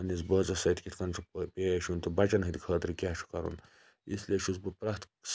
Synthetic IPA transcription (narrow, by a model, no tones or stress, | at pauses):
ɐnizbɐːzɐsɐjt̪kʲit̪ʰkɐnt͡ʃʰupeːɐʃunt̪ɐbɐt͡ʃɐnɦɨd̪ikʰɐːt̪iɾkʲaːʃʰu̥kɐɾṵn | islʲeʃuzbɨpɾɐht̪ | s